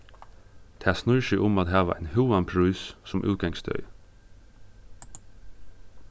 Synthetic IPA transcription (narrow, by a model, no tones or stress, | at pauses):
t̪ʰæːsnɔʏʃɪʔʊmɑt̪hæːʋə̰ʔæɪnhʉːɑnpʰɹʉːssɔmʔʉ̰ːɡɑŋsd̪œ̰ʏ